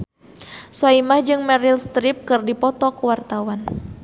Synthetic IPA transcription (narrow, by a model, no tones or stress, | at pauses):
saimahd͡ʒɨŋmɛɾilst̪ɾip̚kɨrdipɔt̪ɔkuwart̪awan